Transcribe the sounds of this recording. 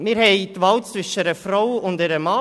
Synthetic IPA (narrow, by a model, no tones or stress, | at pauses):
mɪːɾhɛɪtʋɑltt͡sʋɪʃəɾəfɾawʊndɛɾəmɑ